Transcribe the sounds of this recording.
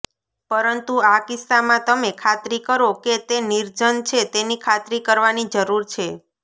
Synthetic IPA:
pəɾənt̪uakist̪amãt̪əmekʰat̪ɾikəɾoket̪eniɾd͡ʒənt͡ʃʰet̪enikʰat̪ɾikəɾʋanid͡ʒəɾuɾt͡ʃʰe

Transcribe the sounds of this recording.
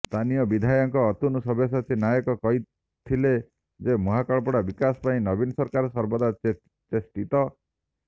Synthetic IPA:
st̪ʰanijɔbid̪ʱajɔŋkɔːt̪unɔsɔbes̬at̪ʰinajɔkɔkɔɦi | t̪ʰile | d͡ʒemɔɦakɔɭɔpɔɽabikasɔ̥paĩnɔbinɔsɔɾkaɾɔsɔɾbɔd̪a | t͡ʃesʈit̪ɔ

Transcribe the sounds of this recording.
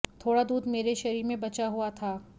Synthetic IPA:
t̪ʰoːɽad̪uːd̪meːɾeʃɐɾiːɾmẽbɐt͡ʃaɦuat̪ʰaː

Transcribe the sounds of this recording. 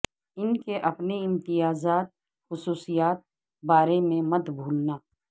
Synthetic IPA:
ɪnkeʔɐpneɪ̃mt̪ɪjaːzaːt̪̚ | xʊsuːsijaːt̪̚ | baːɾemẽmɐt̪bʱuːlnaː

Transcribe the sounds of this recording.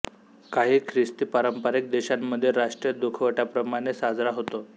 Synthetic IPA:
kaɦiːkʰɾist̪iːpaɾəmpəɾek̚d̪eɕamːəd̪ʱːjeɾaʂʈɾijəd̪ukʰʋəʈapɾəmaɽ̃esad͡zɾaɦot̪o

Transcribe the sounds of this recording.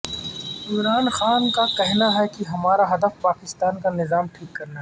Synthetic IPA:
ɪmɾaːnxaːnkakɛɦnaɦɛkiɦɐmaːɾaɦɐd̪əfpaːkɪst̪aːnkanɪzaːmʈʰiːkːɐɾnaɦɛ

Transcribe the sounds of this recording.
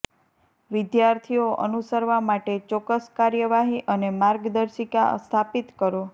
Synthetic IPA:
ʋɪd̪jaɾt̪ʰijoʔə̰nusəɾʋamaʈet͡ʃɔkəskaɾjəʋaɦiʔənemaɾɡd̪əɾʃika̰st̪ʰapit̪kəɾo

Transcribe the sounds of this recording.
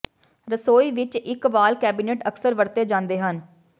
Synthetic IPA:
ɾəsoːiːʋɪt͡ʃɪkʋaːlkɛːbiːneːʈəksəɾʋəɾt̪eːd͡ʒãːnd̪eːɦən

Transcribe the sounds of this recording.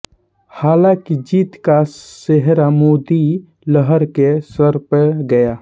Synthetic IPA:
haːlãkid͡ʒiːt̪kaseɦɾamoːd̪i | ləɦəɾkesəɾpəɡəjaː

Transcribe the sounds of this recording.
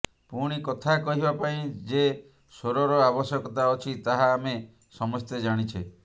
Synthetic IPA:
puɽ̃ikɔt̪ʰakɔɦibapaĩd͡ʒe | soɾɔɾɔabɔsjɔkɔt̪aɔt͡ʃʰit̪aɦaːme | sɔmɔst̪ed͡ʒaɽ̃it͡ʃʰi

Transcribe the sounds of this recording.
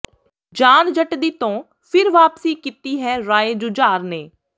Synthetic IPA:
d͡ʒaːnd͡ʒəʈd̪iːt̪õː | pʰɪɾʋaːpsiːkiːt̪iːɦɛːɾaːeːd͡ʒʊd͡ʒaːɾneː

